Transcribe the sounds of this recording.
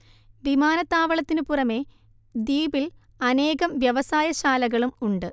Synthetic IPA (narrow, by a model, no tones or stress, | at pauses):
ʋimaːnɐt̪ːaːʋɐɭɐt̪ːinɨpurɐme̞ | d̪iːbil | ɐne̞ːɣɐmʋjɐʋɐsaːjɐɕaːlɐɣɐɭumuɳɖɨ